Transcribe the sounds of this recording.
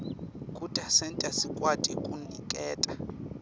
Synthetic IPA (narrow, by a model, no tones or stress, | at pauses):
kʼutʼasɛntʼasikʼwatʼikʼunikʼɛːtʼa